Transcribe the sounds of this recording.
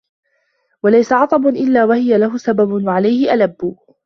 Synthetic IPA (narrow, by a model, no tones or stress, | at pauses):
walajsaʕɑt̪ˤɑbʊnʔɪlːaːwahɪjalaɦʊsababʊnwaʕalajhɪʔalabːʊ